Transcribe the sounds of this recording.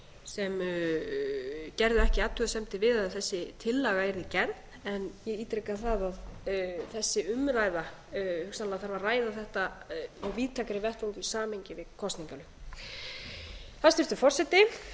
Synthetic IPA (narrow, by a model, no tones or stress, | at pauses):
sɛm | cɛɾðʏɛhcɪat̪ʰːʏðsɛmt̪ɪvɪðaðθɛsːɪt̪ʰɪlːaɣaɛɾðɪcɛn | ɛnjɛɣiːt̪ɾɛkaθaðaðθɛsːɪʏmɾaːjða | hʏsnalaθaɾvaɾraːjðaθɛht̪aɔɣviːt̪ʰakaɾɪvɛr̥t̪vont̪ʏisaːmeɲcɪvɪðkʰɔst̪niŋkalʏ | θast̪ɪft̪ʏfɔrsɛt̪ɪ